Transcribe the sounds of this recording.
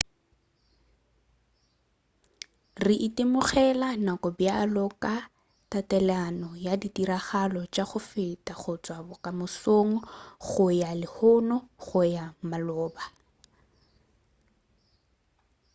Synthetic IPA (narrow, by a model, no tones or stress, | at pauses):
rɪʔitemʊχɛlanakɔbjalɔka | tatɛlanɔjaditiɾaχalɔt͡ʃaχʊfɪtʼaχʊt͡sʼwabɔkʼamʊsoŋ̩χʊjalɪhʊnɔχʊjamalɔːba